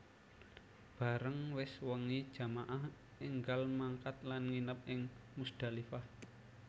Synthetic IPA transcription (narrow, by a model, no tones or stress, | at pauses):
b̥a̤ɾəŋwɪswəŋid̥ʒ̥a̤maʔah | ʔɪŋɡalmaŋkat̪̚lanŋinəp̚ɪŋmusd̪̥a̤lifah